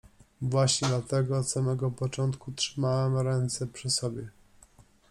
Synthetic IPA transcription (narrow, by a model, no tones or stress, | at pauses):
vwaɕɲɛd̪lat̪ɛɡɔːt̪samɛɡɔpɔt͡ʂɔnt̪kutʂɘmawɛmɾɛnt̪sɛpʂɘsɔbʲjɛ